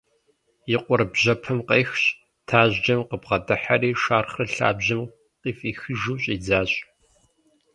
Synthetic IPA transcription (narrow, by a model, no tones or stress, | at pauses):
jɪqʷʊrbʑɐpʰɨmqeːxɕʼ | tʰaːʑd͡ʒɐmqəbʁɐdɐħariːʃaːrχrɨɬa̰ːbʑɪm | qiːfiːxɨʒuːɕʼiːd͡zaːɕʼ